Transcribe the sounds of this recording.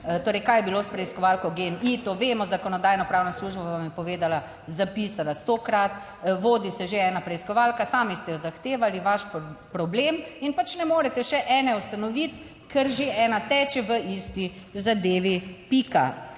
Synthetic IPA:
t̪oːɾɛjkaːjɛbilospɾɛiskɔʋalkɔɡenit̪oʋeːmɔzakɔnɔd̪aːjnɔpɾaːwnasluːʒbaʋamjɛpɔʋeːd̪ala | zapisalast̪okɾat̪ | ʋoːd̪isɛʒeɛːnapɾɛiskɔʋalkasaːmist̪ɛjɔzaxt̪eːʋaliʋaʃppɾɔbleminpat͡ʃnɛmoːɾɛt̪ɛʃɛʔɛːnɛust̪anɔʋit̪ | kɛɾʒeɛːnat̪ɛːt͡ʃɛʋəist̪izad̪eːʋipika̰

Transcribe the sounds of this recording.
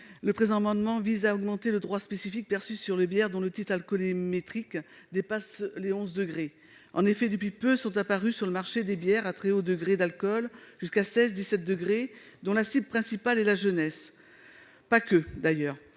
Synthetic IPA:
ləpχezɑ̃mɑ̃d̪mɑ̃vizaɔɡmɑ̃t̪eləd̪ʁwaspesifik̚pɛʁsysyʁlebjɛʁd̪ɔ̃lət̪it̪χalkɔlimet̪χik | d̪epasleɔ̃zd̪əɡʁe | ɑ̃nefɛd̪əp̬ɥipøsɔ̃t̪apaʁysyʁləmaʁʃed̪ebjɛʁat̪χɛod̪əɡʁed̪alkɔlʒ̥yskasɛzd̪isɛt̪̚d̪əɡʁe | d̪ɔ̃lasibpχɛ̃sipalɛlaʒənɛs | pakʲød̪ajœːʁ

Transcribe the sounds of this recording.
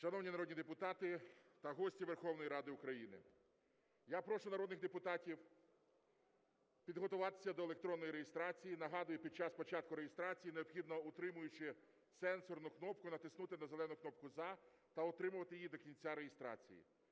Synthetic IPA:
ʃɐnɔwnʲinɐɾɔd̪nʲid̪epʊt̪ɑt̪ɪt̪ɐɦɔsʲtʲiʋerxɔwnɔjiɾɑd̪ɪʊkɾɐjinɪ̰ | japɾɔʃʊnɐɾɔd̪nɪxd̪epʊt̪ɑtʲiw | pʲid̪ɦɔt̪ʊʋɑt̪ɪ̥sʲːɐd̪ɔelˠekt̪ɾɔnːɔjiɾejest̪ɾɑt͡sʲijinɐɦɑd̪ʊjʊpʲid̪̚t͡ʃɑspɔt͡ʃɑt̪̚kʊɾejɪst̪ɾɑt͡sʲijineɔbxʲid̪nɔʊt̪ɾɪmʊjʊt͡ʃɪ | sɛnsɔrnʊknɔp̚kʊnɐt̪ɪsnut̪ɪnɐzelˠɛnʊknɔp̚kʊzɑ | t̪ɐɔt̪ɾɪmʊʋɐt̪ɪjid̪ɔkʲinʲt͡sʲaɾejɪst̪ɾɑ̰t͡sʲḭjḭ

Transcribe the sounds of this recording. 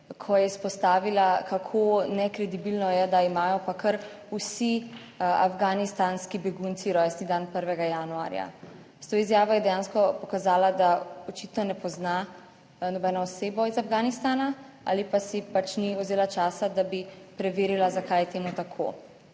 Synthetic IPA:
kʰɔjɛspɔst̪aːʋilakakʰonɛkɾɛd̪ibilnɔjɛd̪aimaːjɔpakʰəɾ | usi | a̰fɡaːnist̪aːnskibɛɡunt̪siɾɔjsnid̪anpəɾʋɛɡajanua̰ːɾja̰ | st̪oizjaːʋɔjɛd̪ɛjãːnskɔpɔkazaːlad̪aɔt͡ʃit̪nɔnɛpɔzna | nɔbɛːnɔːseːbɔizafɡaːnist̪aːna | a̰ːlipasipat͡ʃniɔzeːlat͡ʃaːsad̪abipɾɛʋeːɾilazakaːjɛt̪eːmut̪akʰo̰ː

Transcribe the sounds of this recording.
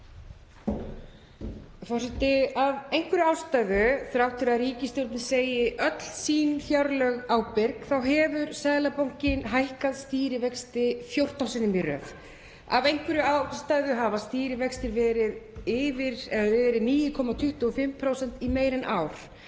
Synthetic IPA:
fɔrsɪt̪ɪavejŋkvʏɾʏaːwst̪aɥðʏθɾawht̪ʰɪɾaðriːcɪst̪jowɾt̪nɪseːjɪʔœt̪l̥siːnfjawɾlœɣaːwpɪɾkθawɦɛːvʏɾsɛðlapowŋ̥cɪnɦajhkaðst̪iːɾɪvɛkst̪ɪfjowr̥t̪ansɪnːɪmiɾœ̰ːv | a̰vejŋkvɪɾʏawst̪aðʏɦaːvast̪iːɾɪvɛkst̪ɪɾvɛːɾɪðɪvɪɾ̥ɛðɛːɾɪðniːjɪkʰɔmat̪ʰʏht̪ʏɔfɪmpʰɾowsɛn̥t̪imeːjɾɪnʔaːwɾ̥

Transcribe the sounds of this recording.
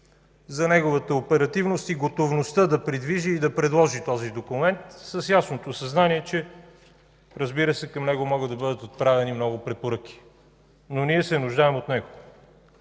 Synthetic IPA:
zɐnɛɡovət̪əopɛɾɐt̪ivnost̪iɡot̪ovnost̪əd̪ɐpɾid̪viʒiːd̪ɐpɾɛd̪lˠɔʒit̪ɔzid̪okʊmɛnt̪səsjasnot̪osɐznaniɛt͡ʃɛ | ɾɐzbiɾəsɛkɐmnɛɡomɔɡəd̪ɐbɤd̪ət̪ot̪̚pɾavɛnimnɔɡʊpɾɛpoɾɤk̟i̥ | noniɛsɛnʊʒd̪aɛmot̪nɛɡo

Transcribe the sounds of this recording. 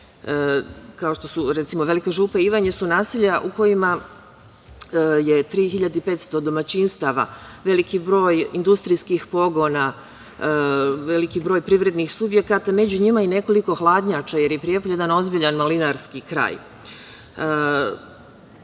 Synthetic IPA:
kao̞ʃt̪o̞suɾet̪imo̞ʋe̞likaʒuːpaiʋaɲesunaːsiʎaʔuko̞jima | jet̪ɾiːxiʎad̪eipet̪st̪o̞d̪o̞mat͡ɕinst̪aʋa̰ʋe̞likibɾo̞ːjind̪ust̪ɾijskixpo̞ɡo̞na | ʋe̞likibɾo̞ːjpɾiʋɾe̞d̪nixsubje̞kat̪ame̞d͡ʑuɲimaine̞ko̞liko̞xlˠaːd̪ɲat͡ʃaje̞ɾjepɾijepoje̞d̪ano̞zbiʎanmalinaɾskikɾa̰ːj

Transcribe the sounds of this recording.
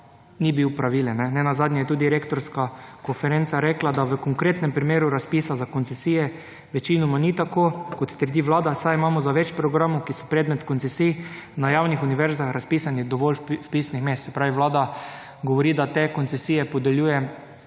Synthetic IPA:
nibiwpɾaʋiːlɛnnːɛnɛnazaːd̪nʲjɛjɛt̪uːd̪iɾekt̪ɔɾskakonfɛɾent̪saɾɛklad̪aʋəkoŋkɾeːt̪nɛmpɾimeːɾuɾaspiːsazakɔnsɛsiːjɛ | ʋɛt͡ʃinɔmanit̪akokot̪t̪əɾd̪iʋlaːd̪asajimaːmɔzaʋɛt͡ʃpɾɔɡɾaːmokisɔ̥pɾɛːd̪mɛt̪konsɛsijnajawnixuniʋɛɾzaxɾʔaspiːsanid̪ɔʋɔlwpiːsnixmeːst̪sɛpɾaːʋiʋlaːd̪a | ɡoʋɔɾiːd̪at̪ekonsɛsijɛpɔd̪ɛljuːjɛ

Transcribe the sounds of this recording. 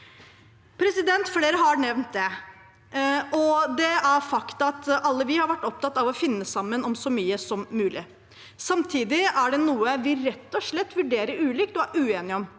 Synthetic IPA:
pʰɾɛsɪd̪ɛnt̪fleːɾəɦɑɾnɛʋnt̪̚d̪ɛ | ʔɔd̪ɛæɾfɑkt̪ɑt̪ɑlːəʋɪhɑɾʋæʈːɔp̚t̪ɑt̪ːɑʋɔfɪnːəsɑmːənɔmsɔmyːəsɔmːʉːlʔɪ̰ | sɑmt̪ʰiːd̪ɪæɖɛnuːəʋɪɾɛt̪ːɔʂɭɛt̪ːʋʉɖeːɾəɾʉːliːkt̪ɔæɾʔʉːeːnɪɔm

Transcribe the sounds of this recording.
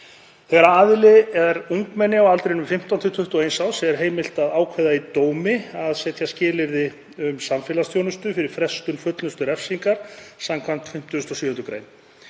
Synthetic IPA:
θɛɾaaðlɪɛɾuŋkmɛnːɪawɣalt̪ɾeɪnʏmfɪm̥t̪ant̪ʰʏt̪ʰʏht̪ɔeːjnsawsɛɛɾ̥ɦeːjmɪl̥t̪aðaːwkʰvɛðait̪oːwmɪaðsɛːt̪ʰjascɪːlɪɾðɪ | ʏmsamfɛːlast̪ʰjownʏst̪ʏfɪɾɪɾ̥fɾɛst̪ʏnfœt̪lʏst̪ʏɾɛfsiŋkaɾ̥samkʰvam̥t̪fɪm̥t̪ʏst̪ɔsːhʏnt̪ɾʏkɾḛjn

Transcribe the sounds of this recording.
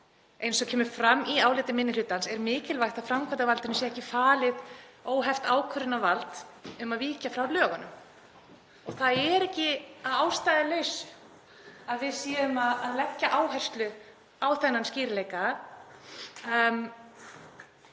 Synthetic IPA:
ejnsɔcʰɛːmʏ̥fɾamːiaːwlɪːt̪ɪmɪnːɪlʏːt̪ansɛɾmɪːcɪlvajxt̪afɾamkʰvant̪avalt̪ɪnʏsjɛɛhcɪfaːlɪðoːwɦɛft̪aːwkʰʏɾʏnavalt̪ʏmaðviːcafɾawlœːɣanʏm | ɔɣθaðɛɾɛhcɪaðaːwst̪ajðɪleːɥsʏ̥ | aðvɪðsɛːðʏmaðaðlɛcːaʔaːwɦɛr̥st̪lʏ | awθɛnːansciːɾɪleːjka

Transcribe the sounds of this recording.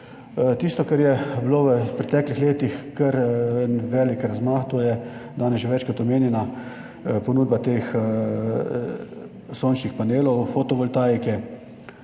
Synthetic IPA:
t̪ist̪ɔkɐɾjɛbiloːʋəpɾɛt̪ɛːklixleːt̪ixkəɾənʋɛːlikɾazmaːxt̪oːjɛd̪aːnɛsʒeʋɛt͡ʃkɔt̪ɔmeːnjɛna | ponuːd̪̚bat̪eːx | soːnt͡ʃnixpaneːlɔwfot̪ɔʋɔlt̪aːjkɛ

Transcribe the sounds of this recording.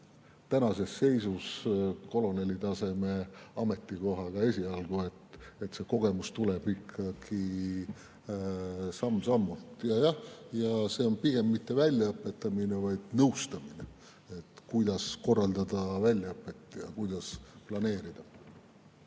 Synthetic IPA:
t̪ænɑse̞sːe̞jsusko̞lo̞ne̞lːit̪ɑse̞me̞ɑme̞t̪ːˑiko̞ɦɑɡ̥ɑe̞sʲiɑlɡ̥ue̞t̪e̞t̪se̞ko̞ɡ̥e̞must̪uleb̥ikʰːɑɡ̥i | sɑmːsɑmːult̪jɑjɑhjɑse̞o̞npiɡ̥e̞mːit̪ːe̞vælʲjɑɤpːˑe̞t̪ːˑɑminevɑjd̪̥̚nɤwst̪ɑmine | e̞t̪kujd̪̥ɑsko̞rːɑld̪̥ɑd̪ɑvælʲjɑɤpːˑe̞t̪ːˑjɑkujd̪̥ɑsplɑne̞ːɾid̪̥ɑ

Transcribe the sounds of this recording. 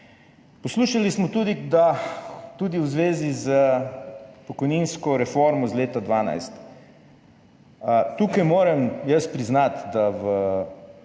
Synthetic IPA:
pɔsluːʃalismɔt̪ud̪id̪at̪uːd̪iwzʋeːzizə | pɔkɔjninskɔɾɛfoɾmɔzleːt̪ad̪ʋaːna̰jst̪ | t̪ukajmoːɾɛmjəspɾiznat̪d̪aʋə

